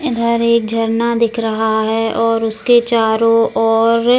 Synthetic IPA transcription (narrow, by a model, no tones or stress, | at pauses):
ɪd̪ʱəɾeːk̚d͡ʒʱɐɾnad̪ɪkʰɾɐɦaɦɛɔːɾʊsket͡ʃaːɾõɔːɾ